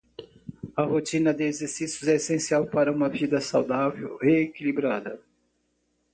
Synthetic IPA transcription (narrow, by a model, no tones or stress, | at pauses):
ɐhot͡ʃĩnɐd̪ɪezeɾsisjʊzɛesẽsiawpaɾɐũmɐvid̪ɐsawd̪avḛwheekilibɾad̪ɐ